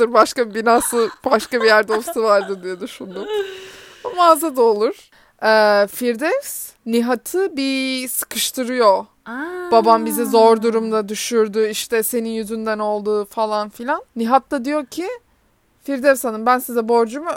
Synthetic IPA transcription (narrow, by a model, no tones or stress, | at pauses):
ɯɾbaʃkabibinaːsɯbaʃkabijæɾd̪o̞ft̪ʰɯvaɾd̪ɯd̪ijod̪yʃund̪um | maːzad̪aolˠuɾ̥ | ɛːfiɾd̪ɛvs | niɦat̪ʰɯbisɯ̥kʰɯʃt̪ʰɯɾɯjo | babambizɛzo̞ɾd̪uɾumd̪ad̪yʃyɾd̪yiʃt̪ʰɛse̞ninjyzynd̪æno̞lˠd̪uːfalˠanfilʲanːiɦat̪ːad̪ijo̞cʰi | fiɾd̪ɛvshanɯmbænsizɛbo̞ɾd͡ʒumu